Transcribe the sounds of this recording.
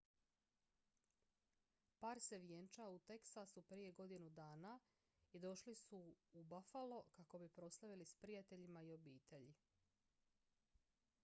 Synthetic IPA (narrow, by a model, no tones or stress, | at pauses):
paːɾse̞ʋjent͡ʃaut̪e̞ksasupɾije̞ɡo̞d̪inud̪aːna | id̪o̞ʃlisuːbafalokako̞bipɾo̞slˠaʋilispɾijat̪e̞ʎimaio̞biːt̪ʰe̞ʎi